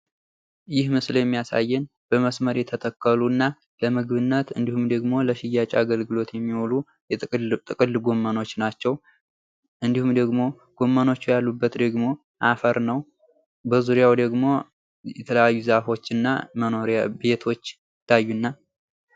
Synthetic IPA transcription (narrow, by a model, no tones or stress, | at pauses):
jɪhmɨsljɛmːijasa̰jːɛn | b̥əməsməɾjɛt̪ʰət̪ʰəkːəlunːa | ləmɨɡɨβɨnːət̪ɨnd̪ihumd̪əɡmo̞ləʃɪjat͡ʃʼaɡəlɡɨlo̞t̪jɛmːiwolu | t̪ʼɨkʼɨlɡo̞mːəno̞t͡ʃːnat͡ʃːɛw | ʔɨnd̪ihumd̪əɡmo̞ | ɡ̥o̞mːəno̞t͡ʃːujalːubːət̪d̪əɡmo̞ | ʔafəɾnəw | bəzuɾijawd̪əɡmo̞ | jɛt̪ʰələjajːuzafo̞t͡ʃːɨnːa̰məno̞ɾjabe̞t̪ʰo̞t͡ʃː | ɪt̪ʰːajːunːa